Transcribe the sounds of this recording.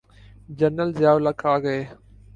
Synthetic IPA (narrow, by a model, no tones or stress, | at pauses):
d͡ʒənəlzjaːʋlɐkʰaːɡɐeː